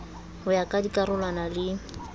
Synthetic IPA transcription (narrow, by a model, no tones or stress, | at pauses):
hʊjakʼadikʼaɾʊlwanalɪ